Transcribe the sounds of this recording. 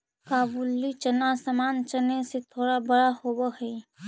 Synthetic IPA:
kaːbulːit͡ʃənasamaːnt͡ʃəneset̪ʰoːɽabəɽahoːbəɦɛi

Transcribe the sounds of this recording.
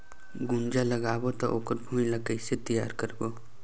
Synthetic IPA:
ɡʊnd͡ʒalɐɡaːbot̪oʔoːkəɾbʱũːjlakəɪset̪əja̰ːɾkɐɾɡo

